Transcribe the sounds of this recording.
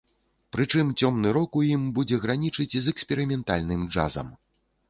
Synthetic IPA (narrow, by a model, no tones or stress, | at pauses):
pɾɨt͡ʂɨmt͡sʲɔmnɨɾɔkujimbud͡zʲɛɣɾanʲit͡ʂɨt͡sʲizɛksʲpʲɛɾɨmʲɛnt̪a̰lʲnɨmd͡ʐa̰zɐ̰m